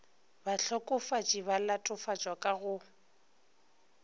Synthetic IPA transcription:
baɬʰɔkʼʊfat͡ʃʼibalatʼʊfat͡ʃʼwakʼaɣʊ

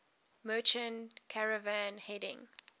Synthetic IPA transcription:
mɜːˑt͡ʃə̃nkʰaɹəvãnhɛdɪ̰̃ŋ

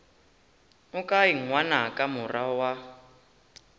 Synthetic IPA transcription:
ʊkaiŋ̩ŋwanakʼamurawa

